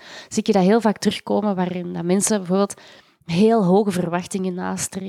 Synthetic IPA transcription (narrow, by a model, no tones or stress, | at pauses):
z̥itjədɑɦeːlˠvaːktərɵxkoːməʋaːɾɪndɑmɛnsəbɛvoːrbeːlˠt | ɦeːlˠɦoːɣəvərʋɑxtɪŋəna̰ːstre